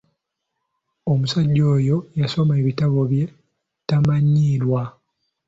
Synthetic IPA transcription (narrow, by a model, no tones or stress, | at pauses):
o̞musaɟːo̞ːjo̞jaso̞me̞ːβitaβo̞βje̞ | tamaɲːiːlwa